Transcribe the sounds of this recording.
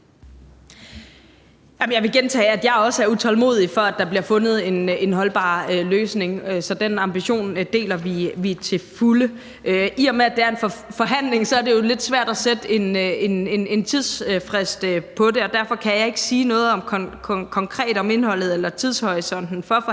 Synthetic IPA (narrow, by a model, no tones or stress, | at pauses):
jæmjɑɪʋe̝ɡ̥ent͡sʰɛ̰ːæd̥jɑ̈ɪɒ̽səæɐut͡sʰɒ̽lmo̝̰ːð̰ˠifɒ̽æd̥ɑ̈b̥liɐfɔ̽nð̞̩ˠe̝ne̝nɦɒ̽lb̥ɑ̰̈ːøløːsne̝ŋøsɒ̽d̥enɑ̈mb̥iɕo̝̰ːnd̥e̝̰ːlɐʋiʋit͡sʰe̝fulə | ʔøʔiɒmeæd̥e̝æɐe̝nffɒ̽ɦæn̰le̝ŋsɒ̽æɐde̝jo̝le̝d̥sʋæɐ̰d̥æsed̥əe̝ne̝ne̝ne̝nt͡sʰið̞ˠsfʁɛsd̥pʰɒ̽de̝ɒ̽d̥æɐ̰fɒ̽kʰæjɑ̈ɪe̝ɡ̥ə̥siːnɔ̽ːð̞̩ˠɒ̽mkʰkʰkʰɒ̽ŋkʰʁɛ̰ːd̥ɒ̽me̝nhɒ̽l̰ð̞̩ˠelɐt͡sʰið̞ˠshɒʁisɒ̽n̰d̥n̩fɒ̽